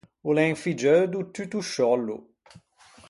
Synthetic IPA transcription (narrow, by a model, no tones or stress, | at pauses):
ulɛŋfid͡ʒœd̪ut̪yt̪uʃɔlːṵ